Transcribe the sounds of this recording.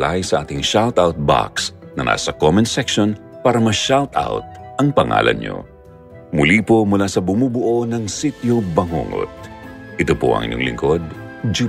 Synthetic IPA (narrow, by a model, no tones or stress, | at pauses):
lajsɐʔaːt̪ɪŋʃalt̪ʔawt̪̚ba̰ksnɐna̰ːsɐkomɔnsɛkʃon | paːɾɐmɐʃalt̪a̰wt̪̚ʔɐŋpɐŋa̰ːlʔɐ̰nɲo̰ | mʊliːpo̞mʊlasɐbʊmuːbʊʔonɐŋsit̪jobɐŋo̰ŋo̰t̪̚ʔɪt̪opo̰ʔɐ̰ŋʔɪ̰ɲo̰ŋlɪ̰ŋko̞d̪̚d͡ʒu